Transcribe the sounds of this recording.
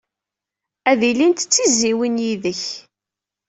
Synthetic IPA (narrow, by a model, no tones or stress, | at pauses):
æðilint̪ət͡sːiziwinjiðəç